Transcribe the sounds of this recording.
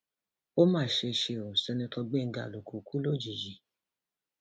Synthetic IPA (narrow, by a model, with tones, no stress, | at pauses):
o˦mãː˦˨ʃe˧ʃe˧o˨sɛ˧nĩ˧tʰɔ˧ɡ͡bɛ˦˨ŋ̩˦ɡa̰˨lo˨kʰu˨ku˦lo˦˨d͡ʒi˨d͡ʒi˨